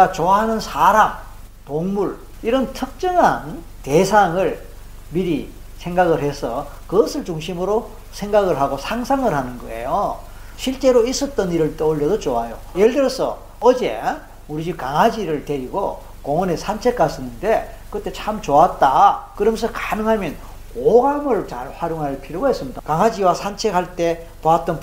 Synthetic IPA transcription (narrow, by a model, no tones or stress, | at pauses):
at͡ɕoaɦanɯnsʰaɾam | toŋmuɭ | iɾʌntʰɯk̚t͡ɕ͈ɯŋɦan | te̞sʰaŋɯɭ | miɾi | sʰe̞ŋɡaɣɯɭhe̞sʰʌ | kɯɡʌsʰɯɭt͡ɕuŋɕʰimɯɾo | sʰe̞ŋɡaɡɯɭɦaɡosʰaŋsʰaŋɯɭhanɯnɡʌe̞̰jo | ɕʰiɭt͡ɕ͈e̞ɾois͈ʌt͈̚ʌniɾɯɭt͈oɭjʌdot͡ɕoajo | jeɭdɯɾʌsʰʌ̰ | ʌd͡ʑḛ | uɾid͡ʑikaŋad͡ʑiɾɯɭte̞ɾiɡo | koŋʌnesʰant͡ɕʰe̞k͈as͈ɯnːɯnde̞ | kɯt͈e̞t͡ɕʰamt͡ɕoat̚t͈akɯɾʌmʌnsʰʌkanɯŋɦamjʌn | oɡamɯɭt͡ɕaɭɸwaɾjoŋɦaɭpʰiɾjoɡaɦes͈ɯmɲidakaŋɦad͡ʑiwasʰant͡ɕʰe̞khaɭt͈e̞ | poat̚t͈ʌn